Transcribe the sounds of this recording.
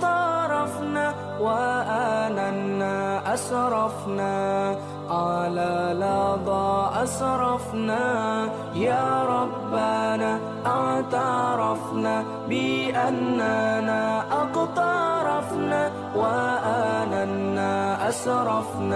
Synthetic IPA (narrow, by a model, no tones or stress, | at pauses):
t̪ˤɑɾˤɑfnaː | waʔananːaːʔaʃɾˤɑfnaː | qɑːlalɑd̪ˤɑːʔasɾˤɑfnaː | jaːɾˤɑbːanaː | ʔaʕʕt̪aɾˤɑfnaː | bɪʔanːanaːʔɑqt̪ˤɑɾˤɑfnaː | waʔananːaːʔaʃɾˤɑfna